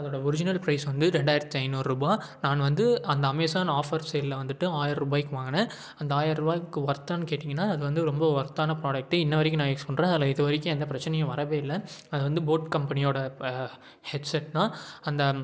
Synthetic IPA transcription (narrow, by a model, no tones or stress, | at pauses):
ɐðoːɽɐɔɾɪd͡ʒɪnɐlpɾɐɪsʋɐnd̪ɯɾɛɳɖaːɪɾt̪ːiɐɪnoːɾɾubaːnaːnʋɐnd̪ɯɐnd̪ɐɐmeːsaːnɐaːfɐɾseːllɐʋɐnd̪ɯʈːɯaːjɪɾɾɯbaːjkːɯʋaːŋɡɐnɐ̃ | ɐnd̪ɐaːjɪɾɾɯbaːjkːɯʋɐɾt̪ːaːnːɯkeːʈːɪŋɡɐnːaːɐðɯʋɐnd̪ɯɾɔmbɐʋɐɾt̪ːaːnɐpɾaːɖɐk̚ʈːɯɪnːɐʋɐɾɪkːɯnaːɪkːsɔnɾẽːɐðɪlɐɪðɐʋɐɾɪkʲːɯ̃ɛnd̪ɐpɪɾɐt͡ʃːɐnɛjɐ̃ʋɐɾɐʋeːɪlːɐɐðɯʋɐnd̪ɯboːʈkɐmpɐnɪjoːɽɐ | hɛʈsɛʈːt̪ãːɐnd̪ɐ